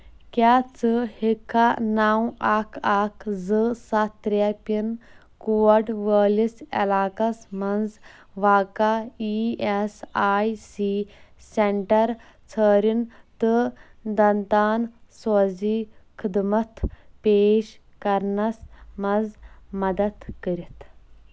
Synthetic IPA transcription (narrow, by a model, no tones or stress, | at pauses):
kʲaːt͡sɨhikʰːanaːw̃aːkʰaːkʰzɨsat̪ɾapin | kuːɐɖʋəːlisɐ̰laːkɐsmɐnd͡z | ʋaːkaiesaːjsiseɳʈɐɾ | t͡sʰəːɾint̪ɨd̪ɐnt̪aːnsoːziːkʰɨd̪mɐt̪ʰpeːʃ | kɐɾnɐsmɐzmɐd̪ɐt̪kəɾit̪ʰ